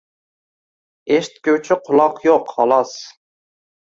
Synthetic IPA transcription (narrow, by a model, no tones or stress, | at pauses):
eʃt̪̚kʲøwt͡ʃʰɪqʰʊlˠɑqjoqhɑlˠɑs